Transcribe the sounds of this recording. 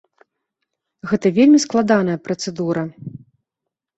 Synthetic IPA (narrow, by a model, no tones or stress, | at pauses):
ɣɛt̪ɐvʲelʲmʲisklˠad̪anɐjɐpɾɐt̪sɛd̪uɾɐ